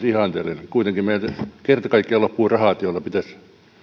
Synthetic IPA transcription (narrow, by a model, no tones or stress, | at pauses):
sihɑˑnt̪elenkuit̪eŋkimeilkert̪ɑkɑikːiɑlopːuːrɑhɑːˑt̪jolːɑpit̪æs